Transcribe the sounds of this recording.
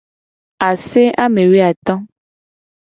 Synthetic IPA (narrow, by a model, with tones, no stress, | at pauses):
a˨se˦ʔa˦mẽ˨we˦a˨t̪ɔ̃˦